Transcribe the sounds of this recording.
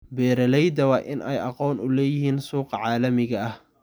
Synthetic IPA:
bɛːɾɐlɛjd̪ɐwɑːʔɪ̰nʔɛ̰jʔɑqɔːnʊlɛːjɪɦiːnsuːqɑʕɑːlɐmɪɣɐɐh

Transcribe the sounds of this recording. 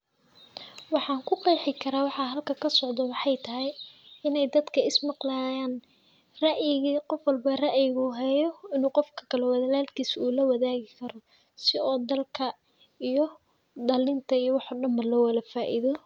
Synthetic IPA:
wɑħɑːŋkʰʊqɑjħɪkʰɐɾaːwɑħɑɦɐlkʰɐkʰɐsɔʕd̪ɐwɑħɑjt̪ʰɐɦɛjɪnɛjd̪ɐd̪kʰɐɪsmɑqlaːjaːn | rɐʔjɪɣiːqɔfwɐlbɐrɐʔjɪɣuːɦɛjɔɪnuːqɔfkʰɐ̥kʰɐlɔwɐðɐlaːlkʰiːsuːlɐwɐðaːɣɪkʰɐɾɔ | sɪɔːd̪ɐlkʰɐ | ijɔ | ɖɐlɪnt̪ʰɐijɔwɑħɔːɖɐmbɐlɔːwɐlɐfaːʔḭðɔ

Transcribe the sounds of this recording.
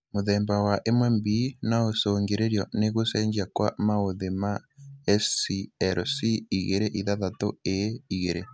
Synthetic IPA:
moðɛːmbawaʔemwɛmbinaosoːŋɡeɾeɾjɔneɣosɛːɲd͡ʒakwa̰maoðemaɛsiɛɾsiiɣeɾeʔiðaðatoeiɣeɾe

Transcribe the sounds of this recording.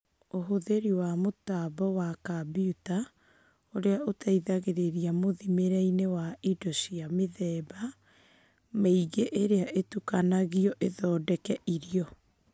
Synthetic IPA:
oɦoðeɾiwamotabɔwakabiuta | oɾeaʔotʰaiðaɣeɾeɾiamoðimeɾainewaidoʃiameðɛːba | maiɣeʔeɾeaʔetukanaɣiɔʔeðɔːdɛkɛʔiɾiɔ

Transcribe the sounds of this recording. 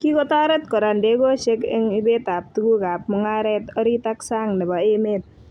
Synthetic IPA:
kikɔt̪aɾət̪̚kɔɾandeɡɔsekɪŋibet̪ap̚t̪uɡuɡap̚məŋaɾɛt̪ɔɾit̪aksaŋnəbaemet̪̚

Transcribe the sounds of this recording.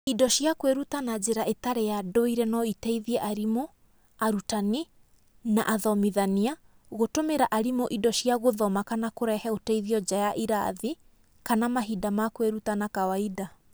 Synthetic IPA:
idɔʃjakweɾutanad͡ʑeɾaʔetaɾejadoiɾɛnɔitɛiðiɛʔaɾimo | aɾutani | na̰ʔaðɔmiðania | ɣotomeɾaʔaɾimoʔidɔɕiaɣoðɔmakanakoɾɛhɛotɛiðiɔd͡ʑajaʔiɾa̰ði | kanamaɦidamakweɾutanakawaida

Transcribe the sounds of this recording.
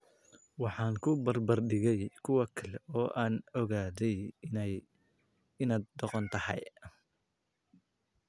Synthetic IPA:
wɑħɑːŋkʰʊbɐrbɐrɖɪɣɛjkʰʊwɑkʰɐlɛɔːʔaːnɔɣaːðɛj | ɪnaːd̪d̪ɔqɔnt̪ʰɐhɛ̰j

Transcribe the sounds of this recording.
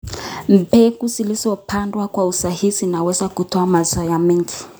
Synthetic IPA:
m̩pɛkuzilizɔpʰandwakwausahizinawɛzakutɔamazɔjamɛŋɡi

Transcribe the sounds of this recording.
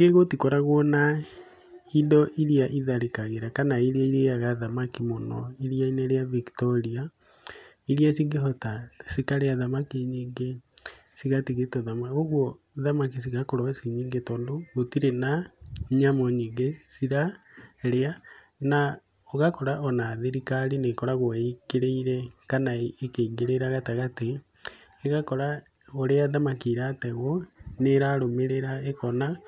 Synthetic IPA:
ŋɡeɣotikɔɾaɣwɔna | indɔʔiɾiaʔiðaɾekaɣeɾakanaiɾiaiɾeaɣaðamakimonɔ̰iɾiaineɾeaviktɔɾia | iɾiasiŋɡeɦɔtasikaɾeaðamakiɲiːŋɡe | siɣatiɣetɔðamaoɣwɔ | ðamakis̬iɣakoɾɔsiɲiːŋɡetɔːndoɣotiɾenaɲamɔɲiːŋɡesiɾaɾea | na | ɔɣakɔɾaɔnaðeɾikaɾinekɔɾaɣoiɡeɾeiɾɛkanaːkeiŋɡeɾeɾaɣataɣateː | ɣakɔɾa | oɾeaðamakiɾatɛɣɔneɾaɾomeɾeɾaekɔna

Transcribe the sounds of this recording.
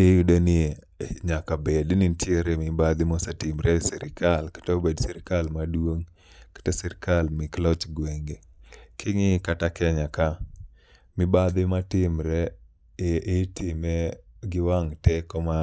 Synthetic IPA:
ejudenɪ | ɲakabednɪnt͡ʃeɾemɪbad̪ɪmosatimɾɛsiɾɪkalkḁtobedsiɾikalmadwoŋ | kḁtesiɾkalmiklɔt͡ʃɡweŋɡe | kʰɪŋɪkatakɛɲaka | mɪbad̪ɪmatɪmɾɛː | tʰɪmeɡɪwaŋtɛkɔma

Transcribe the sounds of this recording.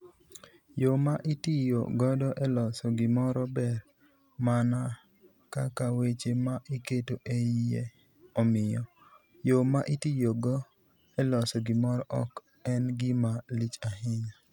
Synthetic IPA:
jomaʔitijo̰ɡɔdɔʔɛlɔsɔɡɪmɔɾɔbɛɾ | mana | kakawet͡ʃemaʔiketoʔeije | ɔmɪjɔ | jomaʔitijoɡɔ | ɛlɔsɔɡɪmɔɾɔʔɔk | ɛnɡɪmalit͡ʃahɪɲa

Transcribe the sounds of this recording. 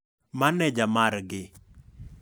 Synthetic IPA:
manɛd͡ʒamaɾɡɪ

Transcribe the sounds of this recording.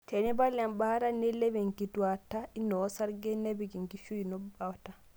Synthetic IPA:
tʰɛnɛbalambaɾanɛlɛbɛŋkituwatainːɔsaɾɡɛnɛbikiŋkiʃuinɔbbawta

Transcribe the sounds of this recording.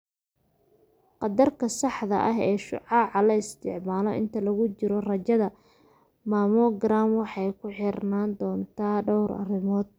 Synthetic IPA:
qɑd̪ɐrkʰɐsɑħðɐ̰ʔɐɦɛːʃʊ̰ʕɑːʕɑlɐɪst̪ʰɪʕmaːlɔʔɪ̰nt̪ʰɐlɐɣʊt͡ʃɪɾɔrɐt͡ʃɐðɐ | maːmɔɡɾaːmwɑħɑjkʰʊħɪrnaːnd̪ɔːnt̪ʰaːɖɔwɾʔɐ̰rɪmɔːd̪̚

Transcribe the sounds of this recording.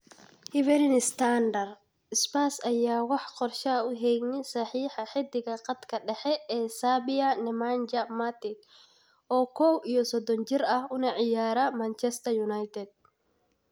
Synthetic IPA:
hɪvɛɾɪnɪst̪ʰand̪ɐr | ɪspaːsɐjaːwɑħqɔrʃɐʊɦɛjnɪsɑħiːħɑħɪd̪ɪɣɐqɑd̪kʰɐɖɛħɛʔɛːsaːbɪjɐnɛmand͡ʒɐmat̪ɪɡ | ʔɔːkʰɔwʔijɔsɔd̪ɔnt͡ʃɪrɐhʊnɐʕɪjaːɾɐmant͡ʃɛst̪ʰɐjunajt̪ʰɛd̪̚

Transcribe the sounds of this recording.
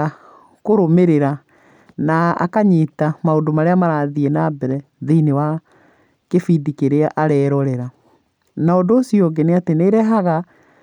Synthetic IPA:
a | koɾomeɾeɾa | naa̰kaɲetamaondomaɾeamaɾaðienabɛɾɛ | ðeinewa | kefidikeɾeaʔaɾɛːɾɔɾɛɾa | naondoːsijɔɡɛneateneɾɛɦaɣa

